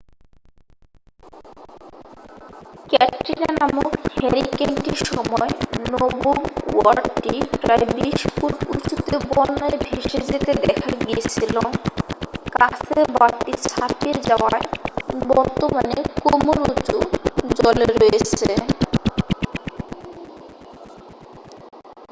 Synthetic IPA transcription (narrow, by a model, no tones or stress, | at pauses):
kɛʈɾiɾanamukhɛɾikeɳʈiɾʃɔmɔenobuɡwaɾɖʈipɾaebiʃpuɾṵt͡ɕut̪ebɔnːaebʱeʃed͡ʑet̪ed̪ɛkʰaɡiet͡ɕʰilo | kasʰeɾbat̪ːit͡ɕʰat̪ieɾd͡ʑaoa̰ebɔɾt̪omanekomoɾut͡ɕud͡ʑɔleɾɔjet͡ɕʰe